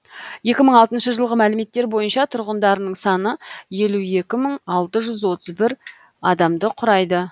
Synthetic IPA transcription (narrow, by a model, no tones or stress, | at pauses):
je̞kʲɪməɴɑlˠt̪ənʃəʒəlˠʁəmælɪme̞t̪ːe̞ɾbo̞jənʃɑt̪ʰʊɾʁənd̪ɑɾənəɴsɑnəje̞luje̞kʲɪməɴɑlˠt̪əʒʏzwo̞t̪əzbɪɾ | ɑd̪ɑmd̪əqʰʊɾɑjd̪ə